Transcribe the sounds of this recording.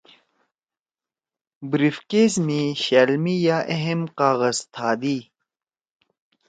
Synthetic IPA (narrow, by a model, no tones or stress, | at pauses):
bɾifkeːzmiːɕaːlmijaːʔeɦemqaːɣəzt̪ʰaːd̪iː